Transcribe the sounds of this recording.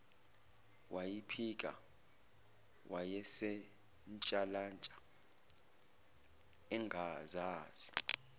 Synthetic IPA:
wajipʰik̬ʼa̰ | wʔajɛsɛ | nt͡ʃʼalant͡ʃʼḁ | ɛŋɡʱazaːz̥i

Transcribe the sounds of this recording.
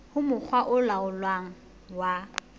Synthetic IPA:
hʊmʊk͡xʰwaʔʊlaʊlwaŋ̩ | wa

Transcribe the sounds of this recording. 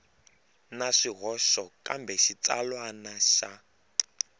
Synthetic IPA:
naʂiɦɔʃɔkʼambɛʃit͡salwanaʃa

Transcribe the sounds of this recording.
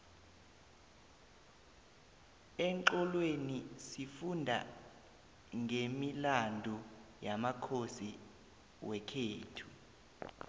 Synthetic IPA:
ɛŋǃɔlwenisifundʱa̰ | ŋʱemilandʱɔjamakʰosi | wɛkʰeːtʰu

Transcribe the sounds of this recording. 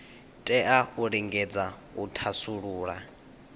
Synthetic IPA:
tʼɛʔauɺiŋɡɛd͡za | utʰasuɺuːɺa

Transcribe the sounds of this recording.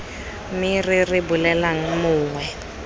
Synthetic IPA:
mɪrɪrɪbʊlɛlaŋ̩mʊːŋwɛ

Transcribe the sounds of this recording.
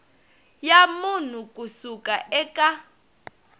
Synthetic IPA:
jamun̤ukʼusukʼaʔɛkʼa

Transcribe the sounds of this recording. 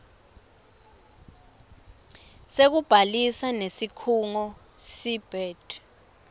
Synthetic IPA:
sek̬ub̥ʱalisanesikʰuŋɔ | sib̥ʱɛːtʼ

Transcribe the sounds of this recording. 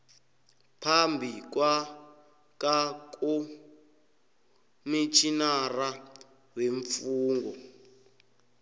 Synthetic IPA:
pʰambʱikwa | kak̬ʼu | mit͡ʃʰinara | weɱfuːŋɡɔ

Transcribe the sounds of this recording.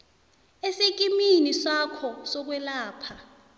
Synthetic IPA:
esek̬ʼiminisakʰɔsɔk̬wɛlaːpʰa

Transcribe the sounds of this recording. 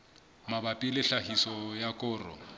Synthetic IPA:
mabapʼilɪɬahisɔjakʼʊːrɔ̰

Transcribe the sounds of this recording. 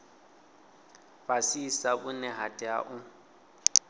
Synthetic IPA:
basisabʊnɛɦatʼɪaʔʊ

